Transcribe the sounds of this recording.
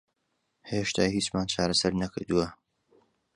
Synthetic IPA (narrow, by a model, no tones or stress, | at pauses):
heʃt̪ʰaːhiːt͡ʃmaːnt͡ʃʰaːɾɐsɐɾnɐkɨɾd̪uwɐ